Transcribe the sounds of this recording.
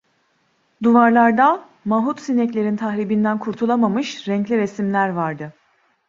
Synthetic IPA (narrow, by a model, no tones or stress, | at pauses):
d̪uvaɾlˠaɾd̪a | maɦut̪sinɛclʲe̞ɾint̪ʰahɾibind̪ænkʰuɾt̪ʰulˠamamɯʃɾɛɲclʲiɾesimlʲæɾvaɾd̪ɯ